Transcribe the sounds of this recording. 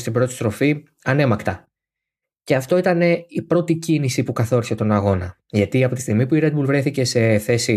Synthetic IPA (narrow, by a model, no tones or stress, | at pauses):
st̪ibɾo̞t̪i̥st̪ɾo̞fi | ɐne̞mɐkt̪ɐ | ceɐft̪o̞it̪ɐne̞ipɾo̞t̪icinisipukɐθo̞ɾise̞t̪o̞nɐɣo̞nɐ | ʝɐt̪iɐpo̞t̪i̥st̪iɣmipuiɾe̞d̪̚bulvɾe̞θice̞se̞θe̞si